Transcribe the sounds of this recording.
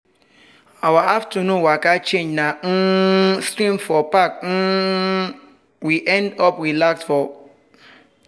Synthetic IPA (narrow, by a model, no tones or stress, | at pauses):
awaʔaftənũwakat͡ʃẽɲd͡ʒnãn̩stɾĩmfɔpak̚n̩ | wiʔɛ̃ndɔpɾilaksfɔ